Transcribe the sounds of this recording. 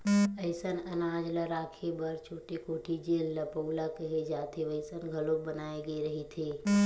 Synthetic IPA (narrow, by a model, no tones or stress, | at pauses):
əɪsənɐnaːd͡ʒlaɾaːkʰebəɾt͡ʃʰoːʈikoːʈʰid͡ʒeːlːəpəʊlakəɦed͡ʒaːt̪ʰeʋəɪsənɡʱəlobənaːeɡəeɾɐɦit̪ʰeː